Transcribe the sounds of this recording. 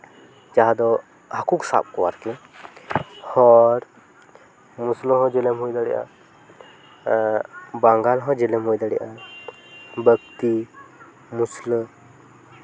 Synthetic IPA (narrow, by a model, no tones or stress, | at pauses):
d͡ʒaɦad̪ɔ | hakuksa̰p̚kɔwa̰ɾkɛ | hɔɾ | muslɦɔ̃d͡ʒɛlɛmɦujd̪aɽɛ̰ʔa̰ | baŋɡalɦɔ̃d͡ʒɛlɛmɦɔjd̪aɽɛʔa | bəkt̪i | musl